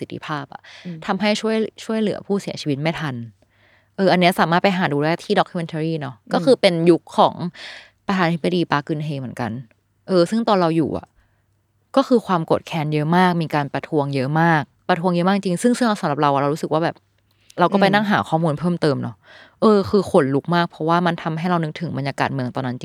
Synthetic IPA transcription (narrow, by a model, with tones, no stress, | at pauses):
si˨˩t̪ʰi˧pʰaː˥˩p̚ʔa̰˨˩t̪ʰa˧mɦa˥˩jt͡ɕʰu˥˩əjt͡ɕʰu˥˩əjlɯ˨˩˦ɐ̰˦pʰuː˥˩si˨˩˦t͡ɕʰi˧wi˦t̪̚ma˥˩jt̪ʰa˧n | ʔɤː˧ʔa˧nːi˦˥ɐsaː˩˦maː˥˩t̪pa˧jɦaː˩˦duː˧lɛː˥˩t̪ʰiː˥˩dɔ˦˥kʰːu˧me˧nt̪ʰa˧ɾiː˥˩nɔ˦˥kɔː˥˩xʰɯː˧pe˧nju˦˥kʰːɔ̰ː˩˦ŋ | pɾa˧t̪ʰaː˧naː˧t̪ʰi˦˥ba˧diː˧paː˦˥kɯ˧nɦeː˧mɯ˩˦ənka˧n | ʔɤː˧sɯ˥˩ŋt̪ɔː˧nɾa˧wjṵː˨˩ʔa̰˨˩ | kɔː˥˩xʰɯː˧kʰwaː˧mko˨˩t̪̚kʰɛː˧njɤ˦˥maː˥˩k̚miː˧kaː˧npɾa˧t̪ʰu˧əŋjɤ˦˥maː˥˩k̚pɾa˧t̪ʰu˧əŋjɤ˦˥maː˥˩k̚t͡ɕi˧ŋsɯ˥˩ŋsɯ˥˩ɾa˧wsa˨˦lɾa˨˩p̚ɾa˧wa˨˩ɾwɾuː˦˥sɯ˨˩k̚waː˥˩bɛː˨˩p̚ | ɾa˧wkɔː˥˩pa˧jna˥˩ŋɦaː˩˦kʰɔː˥˩muː˧npʰɤː˥˩mt̪ɤː˧mnɔ˦˥ | ʔɤː˧kʰɯː˧xʰo˧nlu˦˥k̚maː˥˩k̚pʰɔ˦˥waː˥˩ma˧nt̪ʰa˧mɦa˥˩jɾa˧wnɯ˦˥ŋ̚t̪ʰɯ˨˩˦ba˧njaː˧kaː˨˩t̪̚mɯ˧əŋt̪ɔː˧nːa˦˥nt͡ɕi˧ŋ